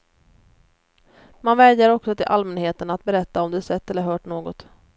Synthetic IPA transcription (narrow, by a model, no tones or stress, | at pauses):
manvɛːd̪jaɾɔksɔt̪ʰɪlʔalmɛnheːt̪ənat̪̚bɛɾɛt̪ːaɔmd̪ɛsɛt̪ːɛlːəɾɦœːʈɳoːɡɔt̪